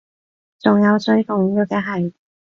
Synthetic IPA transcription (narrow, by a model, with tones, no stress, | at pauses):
t͡sʊ˨˩ŋjɐ˨˧wsɵ˥ɥfʊ˨˩ŋiː˦˥˧kɛː˧˥ɦɐ˨j